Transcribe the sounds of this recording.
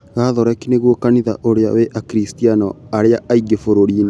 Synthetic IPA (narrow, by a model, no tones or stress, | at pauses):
ɣaːðɔɾɛkineɣwokaniða̰ʔoɾeawɛʔakɾistianɔaɾeaaiɡefoɾoɾiːn